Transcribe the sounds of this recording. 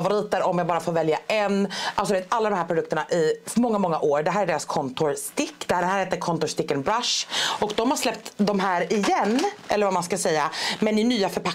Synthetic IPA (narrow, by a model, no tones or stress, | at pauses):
vʊɾiːt̪əɾɔmjaɡbɑːɾafoːɾvɛljaʔɛnʔalsd̪ɪveːt̪alːad̪ɔmhɦæːɾpʰɾʊd̪ɵkt̪əɳaʔɪmɔŋːamɔŋːaʔoːɾɖɛɦæːɾæɖeːɾaskʰɔnt̪ʊɾst̪ɪkːd̪̥ɛæɖɛhæːɾheːt̪ːəɾkʰɔnt̪ʊʂt̪ɪkːənbɾaʂɔkd̪ɔmhaʂlɛp̚t̪d̪ɔmɦæːɾɪjɛnːʔɛlːəɾvamanskasɛjːamɛnɪnyːafœɾpa